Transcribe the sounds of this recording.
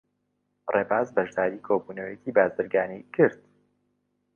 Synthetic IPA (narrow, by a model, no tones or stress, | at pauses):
reːbaːzbɐʒd̪aːɾiːkʰoːbuːnɐwjeciːbaːzɨɾɡaːnikʰɨɾd̪